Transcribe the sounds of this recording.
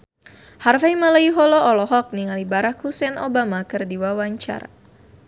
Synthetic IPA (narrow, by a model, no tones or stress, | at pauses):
harfajmələiɦɔlɔɔlɔɦɔk̚niŋalibaɾakhusɛnobamakɨrdiwawaɲt͡ʃa̰ɾa̰